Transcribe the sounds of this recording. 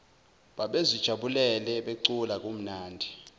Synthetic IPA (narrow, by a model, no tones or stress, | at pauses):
ɓaɓezid̥ʒ̥ʱaɓulɛlɛɓeǀulak̬ʼum̩naːndʱi